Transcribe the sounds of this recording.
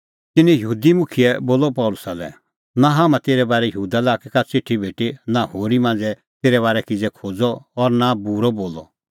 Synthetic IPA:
t̪ɪnɛ̃jəɦuːd̪imʊkʰiɛboːlɔpɔlʊsalɛ̰ | naɦaːmãt̪eːɾɛbaːɾɛjəɦuːd̪alaːkɛkat͡sɪʈʰːibʱeːʈinahoːɾimãːn̆d͡zɛ | t̪eːɾɛβaːɾɛkɪd͡zɛkʰoːd͡zɔːɾnabuɾɔboːlɔ

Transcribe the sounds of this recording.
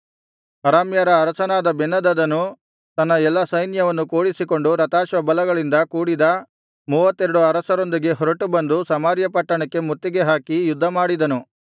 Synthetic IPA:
ɐɾaːmjɐɾɐːɾɐsɐnaːd̪ɐbɛnːɐd̪ɐd̪ɐnːu | t̪ɐnːɐɛlːɐsɐjnjɐʋɐnːukoːɽisiko̞ɳɖuɾɐt̪aːʃʋɐbɐlɐɡɐɭind̪ɐkuːɽid̪ɐ | muːʋɐt̪ːeɾɐɽuɐɾɐsɐɾo̞nd̪iɡe̞ɦɔɾɐʈubɐnd̪usɐmaːɾjɐpɐʈːɐɳɐkːe̞mut̪ːiɡe̞ɦaːkijud̪ʱːɐmaːɽid̪ɐnu

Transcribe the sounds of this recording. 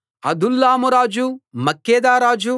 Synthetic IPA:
ɐd̪ulːaːmuɾaːd͡ʒumɐkːeːd̪aːɾaːd͡ʒu

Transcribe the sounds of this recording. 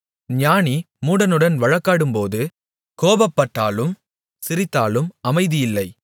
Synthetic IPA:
ɲaːni | muːɽɐnɯɽɐnʋɐɻɐkːaːɽɯmpoːðɯ | koːbɐpːɐʈːaːlɯm | sɪɾɪt̪ːaːlɯmɐmɐɪðɪjɪlːɐɪ

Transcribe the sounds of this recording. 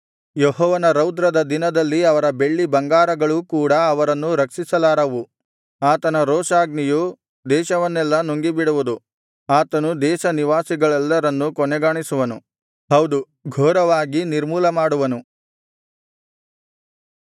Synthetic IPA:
jɔɦɔːʋɐnɐɾɐwd̪ɾɐd̪ɐd̪inɐd̪ɐlːiɐʋɐɾɐbe̞ɭːibɐŋɡaːɾɐɡɐɭukuːɽɐːʋɐɾɐnːuɾɐkʂisɐlaːɾɐʋu | aːt̪ɐnɐɾɔːʃaːɡniju | d̪ɛːʃɐʋɐnːɛlːɐnoŋɡibiɽuʋud̪u | aːt̪ɐnud̪ɛːʃɐniʋaːsiɡɐɭɛlːɐɾɐnːukɔnɛɡaːɳisuʋɐnu | ɦɐwd̪u | ɡʱɔːɾɐʋaːɡiniɾmuːlɐmaːɽuʋɐnu

